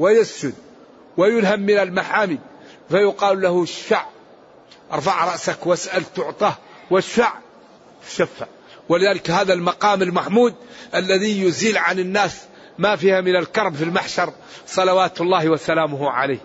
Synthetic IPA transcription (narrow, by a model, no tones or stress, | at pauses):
wɪjasd͡ʒʊd̪̚ | wɪjʊlhamːɪnalmaħaːmi | fajʊqɑːlːahʊʃːaʕ | ʔɑɾˤfɑʕɾˤɑʔsakwasʔalt̪ʊʕt̪ˤɑː | wɪʃːaʕ | t̪ḁʃafːa̰ʕ | wɪlɪðaːlɪkhaːðalmɑqɑːmɪlmaħmuːd̪̚ʔalːaðijʊziːlʕanɪnːaːs | mafiːhamɪnalkɑɾˤbfilmaħʃɑɾˤ | sˤɑlɑwaːt̪ʊlˤːɑːhwasalaːmʊhʕa̰laːh